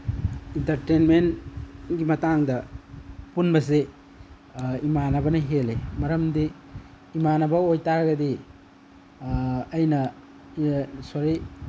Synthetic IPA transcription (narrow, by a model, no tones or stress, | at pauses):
intɐɾtenmenɡimɐtaŋdɐ | punbɐs̬e | imanɐbɐnɐɦelemɐɾɐmdiː | manɐbɐojtaɾɐɡɐdi | jnɐ | soɾij